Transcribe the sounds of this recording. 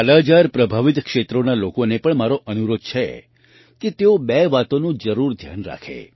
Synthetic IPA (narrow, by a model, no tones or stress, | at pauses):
alad͡ʒaɾpɾəbʱaʋit̪kʃet̪ɾonalokonepəɳmaɾoʔənuɾod̪̚t͡ʃʰe | ket̪eobeʋat̪onũd͡ʒəɾuɾd̪ʱja̰nɾa̰kʰḛ